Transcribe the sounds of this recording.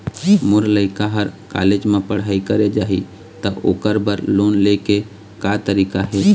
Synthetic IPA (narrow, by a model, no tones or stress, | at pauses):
moɾləɪkaɦəɾka̰led͡ʒmepəɽ̤aikəɾed͡ʒaɦḭ | t̪əʔokəɾbəɾlonleke | kat̪əɾikaɦe